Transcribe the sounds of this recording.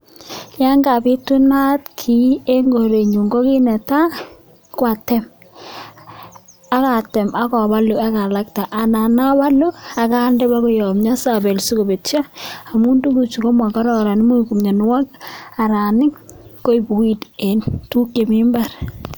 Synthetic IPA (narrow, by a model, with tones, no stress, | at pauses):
ja˦ŋɡa˨bi˦tu˦na˦tkʰi˦e˦ŋɡo˨ɾe˨ɲu˨ŋɡo˦ki˦nɛ˨ta˦ | kwa˨tɛ˦m | a˦ka˨tɛ˨ma˦kɔ˨ba˦lu˨a˦ka˨la˦kta˨ʔa˨na˨na˦ba˦lu˦a˨ka˦ndɛ˦ba˦ko˦jɔ˨mɲa˦sa˨be˨lsu˦ko˨be˨tt͡ʃaː˦˨mu˦ndu˦ku˨t͡ʃu˨ko˦mwa˨ka˦ɾɔ˨ɾa˨nɪ˦mo˦˨ku˨mɲa˨n˦wa˦k̚a˨ɾa˨nɪ˦ŋko˦i˦bu˨i˦de˨ntu˦kje˨mɪ˦mba˦˨ɾ